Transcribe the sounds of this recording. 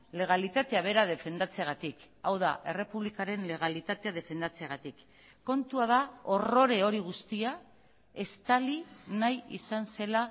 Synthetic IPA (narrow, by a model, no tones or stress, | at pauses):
le̞ɣ̞alit̪at̪e̞aβ̞e̞ɾað̞e̞fe̞nd̪at͡seaɣ̞at̪ik | awða̰ʔe̞re̞puβlikaɾe̞nle̞ɣ̞alit̪at̪e̞að̞e̞fe̞nd̪at͡seaɣ̞at̪ikː | o̞nt̪uaðao̞ro̞ɾe̞o̞ɾiɣ̞ust̪ia | e̞st̪alinajḭsanse̞la